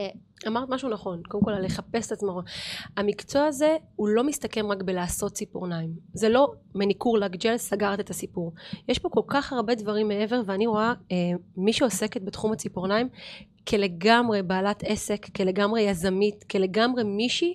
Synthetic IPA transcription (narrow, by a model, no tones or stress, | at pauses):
amaʁt̪maʃunaχo̞nkodemkolale̞χape̞set̪at͡smaʁoamikt͡so̞aze̞ulo̞mist̪ake̞mʁakbelaːso̞t̪̚t͡sipoʁnaimzelo̞ | menikuʁlaɡd͡ʒenssaɡaʁt̪et̪asipuʁjeʃpo̞ko̞lkaχaʁbe̞dvaʁimːee̞ve̞ʁveaniʁo̞aemiʃeo̞se̞ket̪̚bet̪χumhat͡sipoʁnaim | kʰele̞ɡamʁe̞baːlat̪ʰe̞se̞kːele̞ɡamʁe̞jazamitkele̞ɡamʁe̞miʃi